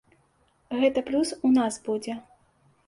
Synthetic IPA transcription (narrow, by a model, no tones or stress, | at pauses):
ɣɛt̪ɐplʲusunasbud͡zʲɛ